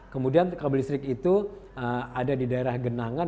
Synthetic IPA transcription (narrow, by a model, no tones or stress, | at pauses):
kəmudiankabəlisɾɪkit̪uəadadidaeɾahɡənaŋa